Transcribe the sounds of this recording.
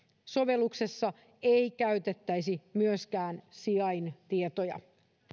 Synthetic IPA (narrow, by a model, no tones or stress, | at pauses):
so̞ʋe̞lːukse̞sːɑ | eikæyt̪et̪ːæjsimyøskæːnsiɑint̪iet̪ojɑ̰